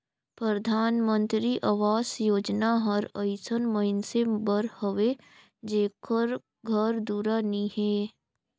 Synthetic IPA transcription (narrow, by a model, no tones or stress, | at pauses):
pɾəd̪ʱaːnmə̃nt̪ɾiʔaʋaːsjoːd͡ʒnaɦəɾəɪsənməɪnsebəɾhəʋe | d͡ʒeːkəɾ | ɡʱəɾd̪uːɾaniheː